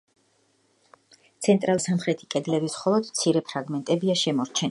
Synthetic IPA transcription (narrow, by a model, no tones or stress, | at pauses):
t̪sʰɛnt̪ʼɾalˠsamχɾɛt̪ʰi̥kʼɛd̪lɛbisχɔlˠɔd̪mt̪sʰiɾɛpʰɾaɡmɛnt̪ʼɛbiaʃɛmɔɾt͡ʃʰɛn